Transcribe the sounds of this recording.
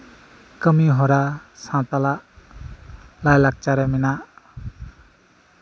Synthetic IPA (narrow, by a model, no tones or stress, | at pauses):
kəmiɦɔɾasãt̪alaʔ | lajlak̚t͡ʃaɾaminaʔ